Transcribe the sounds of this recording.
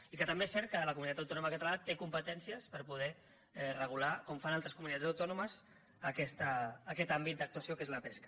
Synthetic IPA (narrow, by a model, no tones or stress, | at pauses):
ikət̪əmbesɛɾt̪̚kələkumunit̪at̪əwt̪ɔnuməkət̪əlat̪ekumpət̪ɛnsiəspəɾpuð̞ɛ | ɛrəɣ̞ulakɔmfanalˠt̪ɾəskumunit̪ad͡zəwt̪ɔnuməz | əkɛst̪əːkɛt̪ambit̪̚d̪ək̚t̪uəsijokezləpɛskə̥